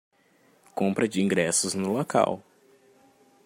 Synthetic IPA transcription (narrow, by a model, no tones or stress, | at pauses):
kõmpɾɐd͡ʒɪĩŋɡɾɛsʊznʊloka̰w